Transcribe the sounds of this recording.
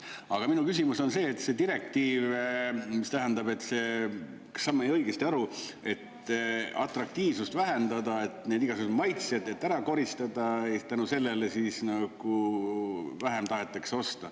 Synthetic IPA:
ɑɡ̥ɑminukys̬imuso̞nse̞ːt̪se̞d̪iɾe̞k̚t̪iːvmist̪æɦænd̪ɑbe̞t̪ːˑse̞ː | ksːɑmːɑejɤ̞iɡ̥est̪iɑɾue̞t̪ | ɑ̰t̪ˑrɑk̚t̪iːvsust̪væɦe̞nd̪̥ɑd̪ɑe̞t̪ne̞ːd̪iɡɑseumɑjt̪sjɑd̪e̞t̪ːæɾɑko̞ɾist̪ɑd̪̥ɑet̪ænuse̞lːe̞lesisnɑɡ̥u | væɦe̞mt̪ɑɦe̞t̪ːˑekseo̞st̪ɑ

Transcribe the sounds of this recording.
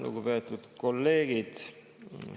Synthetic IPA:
lṵɡupe̞ːt̪ːˑud̪̥ko̞lːe̞ːɡ̥id̪̥

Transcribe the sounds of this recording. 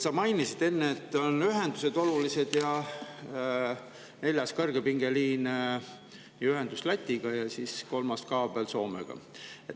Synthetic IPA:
sɑmɑjnisid̪̥e̞nːeːt̪ːˑo̞nyɦe̞nd̪use̞d̪̥o̞lulise̞d̪̥jɑ | ne̞lʲjɑskɤrɡ̥epiŋɡ̥e̞liːn | yɦend̪̥uslæt̪ʲːiɡ̥ɑjɑsisko̞lmɑst̪kɑːb̥elso̞ːmḛɡ̥ɑ̰et̪ː

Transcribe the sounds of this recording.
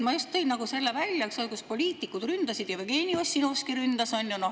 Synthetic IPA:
mɑjust̪ːɤ̞jnnɑɡ̥use̞lːevælʲːjɑksolkuspo̞lʲiːt̪ˑikːˑud̪̥rynd̪̥ɑsid̪̥jɑvejke̞ːnʲio̞sʲːinoːskiɾynd̪̥ɑsonʲjuno̞

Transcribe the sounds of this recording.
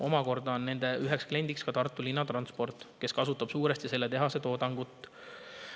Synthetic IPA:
ʔo̞mɑko̞rd̪̥ɑonːe̞nd̪̥e̞ʔyɦekskle̞nʲd̪ikskɑt̪ɑrt̪ːˑulinːɑt̪ɾrɑnspo̞rt̪ːˑke̞skɑsut̪ːˑɑb̥suːɾest̪ise̞lːet̪e̞ɦɑse̞t̪o̞ːd̪ɑŋɡ̥ut̪ːˑ

